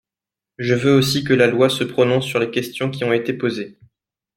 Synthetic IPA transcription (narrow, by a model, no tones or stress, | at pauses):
ʒəvøosikəlalwasəpχɔnɔ̃sːyʁlekʲɛst̪jɔ̃kʲiɔ̃et̪epoze